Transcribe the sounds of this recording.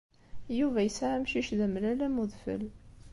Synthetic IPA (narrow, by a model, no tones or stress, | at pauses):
juvæjəsaʕamʃiʃðæmlælæmʊðˤfə̰l